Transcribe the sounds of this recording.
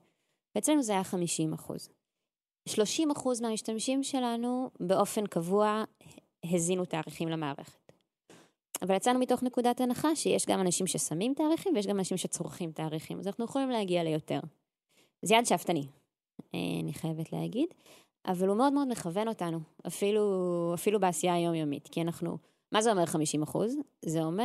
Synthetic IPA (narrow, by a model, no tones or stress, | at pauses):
veet͡sle̞nuzeajaχamiʃimaχṵz | ʃlo̞ʃimaχuzmeamiʃtamʃimʃe̞lanube̞ʔo̞fe̞nkavua | ɦezinutaːʁiχimlemaːʁe̞̰χe̥t | avaljat͡sanumito̞χne̞kudatanaχaʃejeʃɡamanaʃimʃesamimtaːʁiχimvjɛʃ̬ɡamanaʃimʃet͡soʁχimtaːʁiχimazanaχnujeχolimlehaɡiale̞jo̞te̞̰ʁ | zijadʃaftani | ḛa̰niχaje̞vetlḛha̰ɡid | a̰valumeo̞dmeo̞dme̞χave̞no̞tanuafiluafilubeasijaːjo̞mjomḭtkianaχnṵ | mazeo̞me̞ʁχamiʃimaχṵzzeo̞me